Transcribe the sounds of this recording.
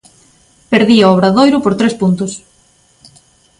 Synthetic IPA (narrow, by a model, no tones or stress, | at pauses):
peɾðiaɔβɾɐðojɾʊpoɾt̪ɾespunt̪ʊs